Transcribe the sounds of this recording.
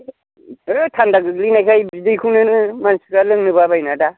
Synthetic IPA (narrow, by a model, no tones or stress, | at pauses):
ɯtʰandaɡɯɡlinajkʰajbidɯjkʰɯwnɯnɯmansi̥kalɯŋnɯbabajnada